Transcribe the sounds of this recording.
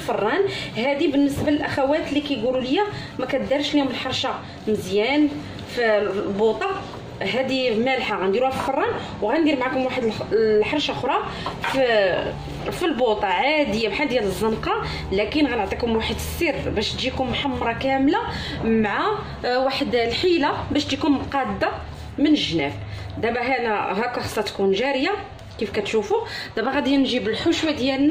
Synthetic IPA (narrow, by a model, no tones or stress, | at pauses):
lfɑrˤːɑnhæd̪ibənːəsbaləlʔaxæwæt̪lːikæjɡululəjːa | mækæt̪̚d̪ɑɾˤʃlihʊməlħɑɾˤʃa | məzjæn | filbot̪ˤɑ | ɦæd̪imælħaɣænd̪iɾuhæfilfɑrˤːɑn | wɣænd̪iɾmʕakʊmwaħəd̪llħɑɾˤʃaxɾˤɑ | f | filbot̪ˤɑʕad̪əjamħald̪jæləzˤːənqɑ | lækənɣænəʕt̪ˤikʊmwaħəd̪sːirbæʃt̪ʒikʊmːħamːɾˤɑkæmla | mʕa | waħəd̪lħilabæʃt̪ʒikʊmmqɑd̪ːa | mənəʒnæf | d̪æbæɦænæɦækːæxɑ̥sˤːɑt̪kunʒæɾja | kifkæt̪ʃufud̪æbæɣæd̪jænʒibəlħʊʃwad̪jælnæ